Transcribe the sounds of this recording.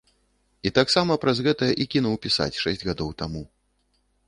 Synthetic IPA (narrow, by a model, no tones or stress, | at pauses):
it̪aksamɐpɾɐzɣɛt̪ɐjɐʔikʲinuwpʲisa̰t͡sʲʂɛsʲd͡zʲɣad̪ɔwt̪amu